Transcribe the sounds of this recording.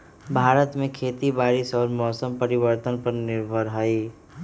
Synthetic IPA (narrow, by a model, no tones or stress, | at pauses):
bʱaːɾət̪mẽkʰeːt̪ibaːɾɪsɔːɾmɔːsəmpɐɾɪwəɾt̪ənpɐɾnɪɾbʱəɾɦaːiː